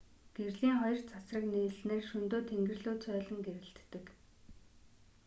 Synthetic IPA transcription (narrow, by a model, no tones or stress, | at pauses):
ɡ̥erɮiːŋχɔjɞ̆r̥t͡sʰasrə̆kniːɮneːrʃɵnt̪oːt̪ʰeŋɡɘ̆rɮoːt͡sʰœːɮə̆ŋɡeɾɘ̆ɬt̪ːɘ̆k